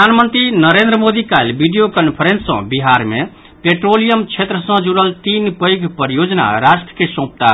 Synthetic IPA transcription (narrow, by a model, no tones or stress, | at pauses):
anmənt̪ɾinəɾend̪ɾəmod̪ikalbiɖijokənpʰəɾensːə̰̃biɦaɾme | peʈɾolijəmt͡ʃʰet̪ɾəsə̃d͡ʒuɽəlt̪inpəjɡʱpəɾijod͡ʒna̰ɾasʈɾəkesõp̚t̪a